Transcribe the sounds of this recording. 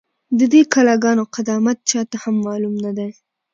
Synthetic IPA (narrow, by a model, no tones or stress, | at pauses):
d̪əd̪ekalaɡɑnoqad̪ɑmat̪̚t͡ʃɑt̪ahamːɑlumnad̪aj